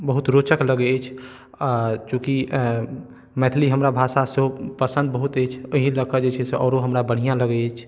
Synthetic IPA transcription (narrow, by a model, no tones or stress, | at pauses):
bəɦut̪ɾot͡ʃəkləɡɛet͡ʃʰ | t͡ʃõːki | mɛt̪ʰliɦəmɾabʱasaseɦopəsə̃nd̪̚bəɦut̪et͡ʃʰəɦĩləkʰəd͡ʒet͡ʃʰɛseʔɔːɾoɦəmɾabəɽ̤ijãləɡɛet͡ʃʰ